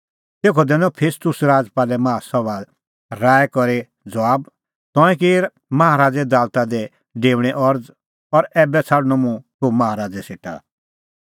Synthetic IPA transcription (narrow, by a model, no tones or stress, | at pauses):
t̪eːkʰɔd̪ɛ̃ːnɔpʰeːst̪ʊsɾaːd͡zpaːlɛmãːasɔʋa | ɾaːɛkɔɾe | d͡zʋaːb | t̪ɔ̃ːɛ̃kiːɾ | mɐɦaɾaːd͡zɛd̪aːlt̪ad̪ɛ | ɖeːʋɽ̃ɛʔɔɾd͡z | ɔɾɛːbɛt͡sʰaɽnɔmũt̪omɐɦaɾaːd͡zɛseːʈʰa̰